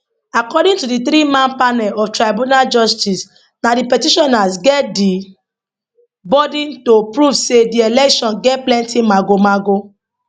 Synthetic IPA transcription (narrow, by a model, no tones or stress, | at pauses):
akɔdĩntudiθɾimãnpanɛlɔvtɾaɪbunald͡ʒɔstis | nadipɛtiʃɔnasɡɛt̚di | bɔdĩntopɾuvsedielɛkʃɔ̃nɡɛt̚plɛ̃ntʰimaɡomaɡo